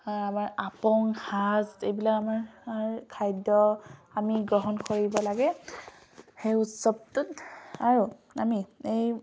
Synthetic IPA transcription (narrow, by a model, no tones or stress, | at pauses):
amaɹapɔŋxaztejbilakamaɹɹkʰajdɔamiɡɹɔɦɔnkoɹibɔlaɡɛ | xejutsɔb̚tʊtaɹuamiej